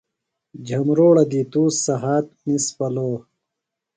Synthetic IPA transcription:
d͡ʑʱɐmɾoːɽɐd̪iːt̪uːsɐɦaːt̪̚nispɐloː

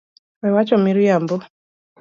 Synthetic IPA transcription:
wewat͡ʃɔmiɾijambu

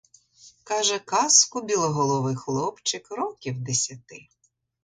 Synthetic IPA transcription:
kɑʒɛkɑskʊbʲilˠɔɦɔlˠɔʋɪxlˠɔpt͡ʃɪkrɔkʲiwd̪esʲɐt̪ɪ

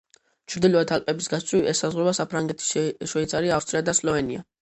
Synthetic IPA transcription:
t͡ʃʰɾd̪ilɔat̪ʰalpʼɛbisɡast̪sʰʼwiiɛsazʁɾɔbasapʰɾaŋɡɛt̪ʰi̥ʃɛit̪sʼaɾiafst̪ʼɾiad̪aslɔvɛnia

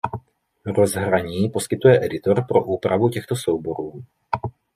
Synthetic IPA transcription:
ɾozɦɾaɲiːpo̞skɪt̪ujɛʔɛdɪt̪o̞ɾpɾoʔuːpɾavucɛxt̪osowbo̞ɾuː

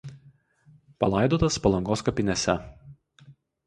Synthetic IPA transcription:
pɐlˠɐˑɪd̪oːt̪ɐspɐlˠɐŋɡoːskɐpʲɪnʲɛsʲɛ

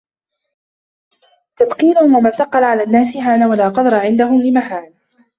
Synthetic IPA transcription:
t̪abqiːlʊhʊmwamanθɑqːɑlʕalaːnːaːsɪɦaːnawalaːqɑd̪ɑɾˤɑʕɪnd̪aɦʊmlɪmaɦaːn

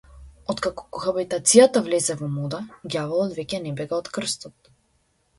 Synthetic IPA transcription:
ɔt̪kakɔ̥kɔxabit̪at̪sijat̪avlɛzɛvɔmɔd̪aɡjavɛlˠɔd̪vɛcɛnɛbɛɡaɔt̪kr̩st̪ɔt̪̚

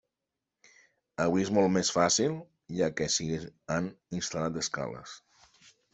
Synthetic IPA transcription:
əβiezmɔlˠtmesfasilˠ | ʒakesiɣeaninst̪alat̪əska̰lə̰s

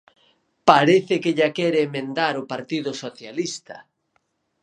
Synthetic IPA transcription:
paɾeθɪkeʎakɛɾɪːmẽnd̪aɾʊpaɾt̪iðʊsoθjalist̪ɐ̰

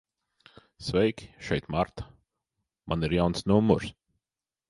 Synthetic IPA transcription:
svɛjkʲi̥ʃɛjt̪maɾt̪ḁ | mʔa̰niɾjawnsnumɔɾs

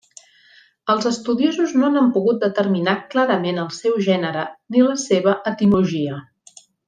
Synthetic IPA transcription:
əlˠzəst̪uðiozuznoanəmpuɣut̪̚d̪ət̪ərminaklaɾəmenəlˠsɛwʒɛnəɾəniləseβ̞əʔət̪imluʒiə

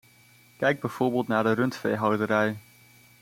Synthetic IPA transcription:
kɛjɡ̚bɛjv̥oːɹbɪːlˠtnaːɹdərɵntfejɦɑwdəɾɛj

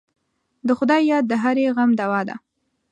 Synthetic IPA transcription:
d̪əxʊd̪ɑjjɑd̪̚ːəɦaɾeɣamd̪awɑd̪a̰

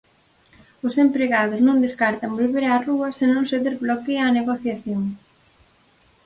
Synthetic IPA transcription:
ʊsempɾeɣaðʊsnõŋd̪eskaɾt̪ɐŋbolβeɾaːruɐsenõŋseðezβlokeaneɣoθjaθjoŋ

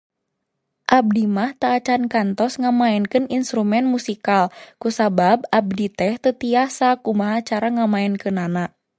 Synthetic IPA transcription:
ʔab̚dimaht̪aːt͡ʃankant̪ɔsŋamaɛnkɨninst̪ɾumɛnmusikalkusabab̚ab̚dit̪ɛht̪ət̪iasakumaɦat͡ʃaɾaŋamaɛnkɨnana

